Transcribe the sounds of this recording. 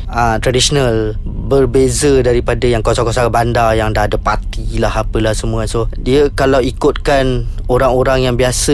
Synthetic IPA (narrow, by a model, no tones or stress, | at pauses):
ət̪ɾadisonalbərbezədaɾipadajaŋkosakosabandajaŋdaːdapat̪ilahapəlahsəmũasodiəkalawikʊt̪̚kanoɾaŋoɾaŋjaŋbiasə